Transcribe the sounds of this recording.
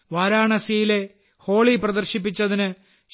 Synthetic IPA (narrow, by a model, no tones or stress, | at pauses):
ʋaːɾaːɳɐsijile̞ | ho̞ːɭiprɐðɐrɕip̬ːit͡ɕːɐðinɨ | ɕ